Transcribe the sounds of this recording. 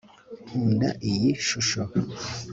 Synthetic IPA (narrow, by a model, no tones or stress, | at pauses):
huːnda̰ʔijiʃuʃo